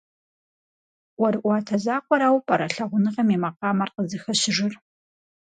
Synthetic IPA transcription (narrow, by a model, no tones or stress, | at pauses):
wɐɾɨʔʷɑːtʰɐzaːqʷʼɔɾaːwpʼɐɾɐɬɐʁʷʊnɨʁɐmeːmɐqɑːmɐrqəzɨxɐɕɪʐɪr